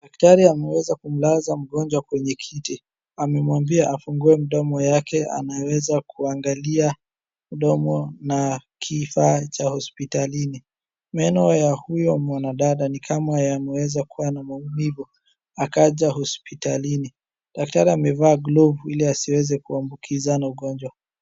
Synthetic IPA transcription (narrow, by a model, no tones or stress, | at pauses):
ɗaktaɾiamɛwɛzakum̩lazam̩ɠɔnd͡ʒwakwɛɲɛkʰiti | amɛmwambiaʔafuŋɡuɛm̩ɗɔmɔjakɛa̰nawɛzakuaŋɡalia | m̩ɗɔmɔnakʰifaːt͡ʃahɔspitalini | mɛnɔjahujɔmwanaɗaɗanikʰamajamɛwɛzakuwanamaumivɔ | akaʄahɔspitalini | ɗak̚taɾiamɛvaːɡlɔvuiliasiwɛzɛkuambukʰizanauɠɔnd͡ʒwa